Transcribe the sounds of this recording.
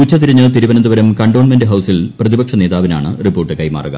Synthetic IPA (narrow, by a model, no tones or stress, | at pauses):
uːt͡ɕːɐt̪iɾiɲːɐt̪iɾubɐnɐnd̪uʋɐɾɐmkɐɳɖoːɳmendɨɦɐwsilprɐðibɐkʂɐne̞ːðaːʋina̰ːɳɨripːoːrʈːɨkɐjma̰ːruɣɐ̰m